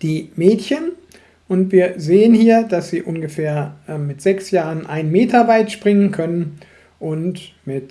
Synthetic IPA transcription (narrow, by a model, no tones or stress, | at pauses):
d̥iːmɛːtçən | ʔʊntv̥iːɐzeːənhiːɐdasz̥iːʔʊnɡəfeːɐʔɛmmɪtz̥ɛksjaːʁənʔaɪnmeːtʰɐvaɪtʃpʁ̥ɪŋənkʰœnən | ʔʊntmɪt